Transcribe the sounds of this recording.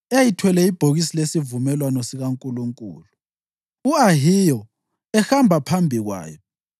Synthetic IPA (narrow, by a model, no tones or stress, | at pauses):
ejitʰwɛlɛib̥ʱoɣisilesivumɛlwanɔsiɣaŋkʼuluŋkʼṵːlu | uaɦijɔ | ɛxambʱapʰambʱiɣwa̰ːjɔ